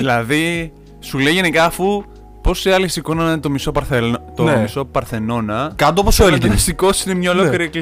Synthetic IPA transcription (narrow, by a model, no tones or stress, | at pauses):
ðilɐði | sulejʝe̞nikɐːfu | po̞siɐlisikonɐnɐnet̪omiso̞pɐɾθet̪omiso̞pɐɾθe̞no̞nɐkɐt̪oposoelefisiko̞sinemɲɐololiɾiekli